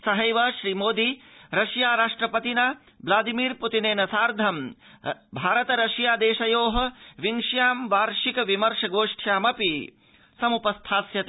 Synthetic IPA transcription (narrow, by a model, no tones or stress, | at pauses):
sɐɦɐjʋɐʃɾiːmoːd̪iɾɐʃjaːɾaːʂʈɾɐpɐt̪inɐ | blaːd̪imiːɾput̪ineːnɐsaːɾd̪ʱɐm | bʱaːɾɐt̪ɐɾɐʃjaːd̪eːʃɐjoːɦɐ̆ʋiŋʂjaːmʋaːɾʃikɐʋimɐɾʂɐɡoːʂʈʰjaːmɐpi | sɐmupɐst̪ʰaːsjɐt̪